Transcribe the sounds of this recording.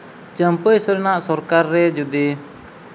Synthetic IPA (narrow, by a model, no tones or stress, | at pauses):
t͡ʃəmpəjsɔɾɛnaʔsɔɾkaɾːɛd͡ʒɔd̪i